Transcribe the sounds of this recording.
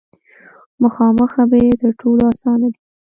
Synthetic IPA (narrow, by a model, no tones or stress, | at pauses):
məxɑməxabajed̪əɾʈʰolɑsɑnabi